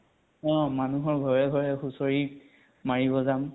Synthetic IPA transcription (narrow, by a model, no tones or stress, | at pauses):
ɔ̃manuɦɔɹɡʱɔɹɛɡʱɔɹɛxusoɹi | maɹibɔzam